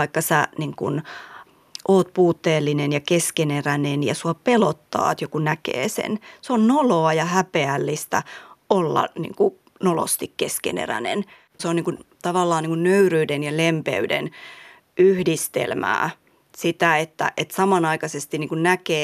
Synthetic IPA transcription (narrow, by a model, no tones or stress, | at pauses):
ɑikːɑsæniŋkṵn | ʔoːt̪puːt̪ːeːlːinenjɑkeskenerænenjɑ̰suɑpelot̪ːɑ̰ːt̪jokunækḛːsḛnseonnoloɑjɑhæpeælːist̪æ̰olːɑ̰nḭŋku | nolo̰st̪ikkeskḛnḛræ̰nḛn | seoniːŋkunt̪ɑʋɑlːɑːniːŋkunnøyryːdenjɑlempḛydḛn | yhdist̪ḛlmæ̰ː | sit̪æet̪ːæ̰ʔet̪sɑmɑnɑikɑsest̪iniːŋkunnækeː